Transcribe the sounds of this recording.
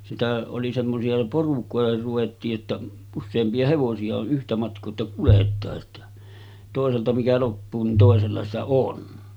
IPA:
sitæ oli semːosiɑ porukoˑeher ruʋetːiːʔ ʔetːæ usːeːmpiɑ heʋosiɑ o ʔyhtæ mɑtkˑoː etːæ kuletˑɑːʔ ʔetːæ toˑeseltɑ mikæ lopːuː nin toˑeselːɑ sitæ sitæ on

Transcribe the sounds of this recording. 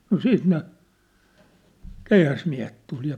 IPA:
no siːt ne keihæsmiæ̝het tul jɑ

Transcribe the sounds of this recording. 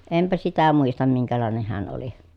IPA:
empæ sitæ muistɑm miŋkælɑˑeneh heæn oli

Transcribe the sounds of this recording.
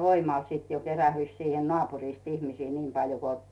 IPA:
ʋoimɑˑl siˑt jo keræhyĭs siːhen nŏɑˑpurist ihmisiː niːm pɑljo ko

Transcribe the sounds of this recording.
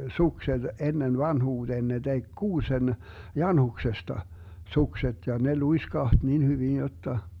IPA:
sukset enːen ʋɑnhuːd̥eːn ne tek kuːsen jɑnhuksestɑ sukset jɑ ne luiskɑht nin hyʋin jotːɑ

